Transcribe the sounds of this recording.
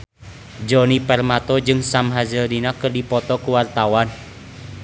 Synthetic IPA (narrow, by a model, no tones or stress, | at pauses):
d͡ʒɔnipɛrmat̪ɔd͡ʒɨŋsamɦazəldinakɨrdipɔt̪ɔkuwart̪awan